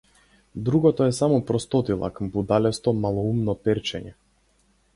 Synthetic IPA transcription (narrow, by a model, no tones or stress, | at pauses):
d̪ɾuɡɔt̪ɔɛsamɔpɾɔst̪ɔt̪ilˠa̰kbud̪alɛst̪ɔmalˠɔumnɔpɛɾt͡ʃɛɲɛ